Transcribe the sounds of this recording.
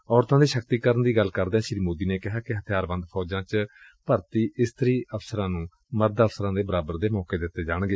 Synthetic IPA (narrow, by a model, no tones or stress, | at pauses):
ɔːɾt̪ãːd̪iːʃəkt̪iːkəɾənd̪iːɡəlkəɾd̪eɛ̃ːʃɾiːmoːd̪iːneːkɪɦaːkɪɦət̪ʰjaːɾbə̃nd̪pʰɔːd͡ʒãːt͡ʃpəɾt̪iːʔɪst̪əɾiːəfsəɾãːnũː | məɾd̪əfsəɾãːd̪eːbəɾaːbəɾd̪eːmɔːkeːd̪ɪt̪ːeːd͡ʒaːɳ̃ɡeː